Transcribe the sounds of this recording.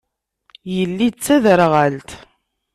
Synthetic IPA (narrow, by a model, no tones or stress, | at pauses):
jəlːit͡sːæðəɾʁəlt̪